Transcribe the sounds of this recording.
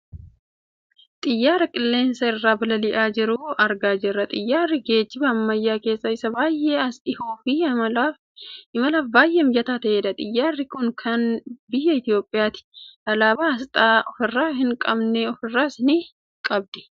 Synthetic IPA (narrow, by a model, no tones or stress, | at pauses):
t̪ʼɪjːaːɾɐkʼɪlːe̞ːnsɐɪrːaːbɐlɐlɪʔaːd͡ʒɪɾuɐɾɡaːd͡ʒɛɾːɐt̪ʼɪjːaːɾːɪɡe̞ːt͡ʃːɪbɐːmːɐjːaːke̞ːsːɐɪsːɐbaːjːeɐsɪhuːfi | ɪmɐlaːfbaːjʔemjɐt̪aːt̪ɐeːd̪ɐt̪ʼɪjːaːrːɪkʊnkʰɐnbɪjːɐɪt̪ɪjo̞ːpʼːɪjaːt̪ɪ̥ɐlaːbaːɐst̪ʼaːʔɔfɪrːaːɦɪŋkʼɐbnɛɔfɪrːaːsɪniː | kʼɐb̚d̪ɪ̥